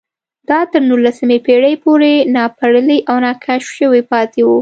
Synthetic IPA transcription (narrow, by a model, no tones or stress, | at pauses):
d̪̥ɑt̪əɾnulːasəmepeɽəjpoɾenɑpaɽəliʔawnɑkʰaʃʃəwipɑt̪ewu